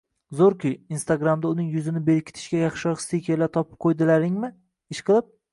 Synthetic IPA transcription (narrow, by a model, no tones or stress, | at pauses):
zoɾkʲɪinst̪aɡɾamd̪aʊnɪŋjʊzɪnɪbe̞ɾɪkʲʰɪ̥t̪ʰɪ̥ʃkʲajɑχʃɪɒ̥st̪ɪjkʲʰelat̪ʰɒpʰɪ̥p̚qʰojd̪ɪlaɾɪŋmɪ | ɪʃqʰɨlˠɪp̚